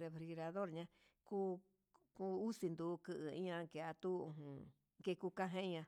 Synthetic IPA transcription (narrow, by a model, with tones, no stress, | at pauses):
ɾe˧fɾi˧ɣɾa˧ðo˦ɾɲã˧˦ | ku˦ | ku˦u˦si˧nd̪u˧kɨ˧ʔɨ˨ĩ˦ɲã˧ŋke˧˨a˧t̪u˦˧ɦũ˧˨ | ke˧ku˧kã˦ɦẽ˦ɲã˧